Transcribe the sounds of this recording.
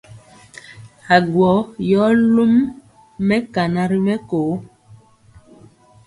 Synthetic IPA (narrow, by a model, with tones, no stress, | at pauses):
a˨ɡwɔ˨˦jɔ˨˦lu˦mː | ɛ˦ka˨na˨ɾi˦mɛ˦koː˨˦